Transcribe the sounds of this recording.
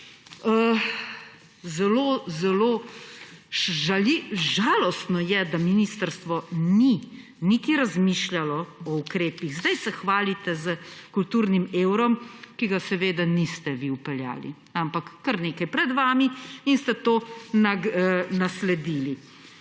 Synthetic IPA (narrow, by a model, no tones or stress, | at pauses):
ə | zɛloːzɛloː | ʒaliʒaːlɔst̪nɔjɛd̪aminist̪əɾst̪ʋɔni | nik̪iɾazmiːʃljalɔɔukɾeːpiɣzd̪ajsɛxʋaːlit̪ɛzəkult̪uːɾnimeːwɾɔmkiɡasɛʋeːd̪anist̪ɛʋiupɛlja̰ːlḭ | ampakːəɾneːkɐjpɾɛd̪ʋaːmiinst̪ɛt̪oːnanaslɛd̪iːli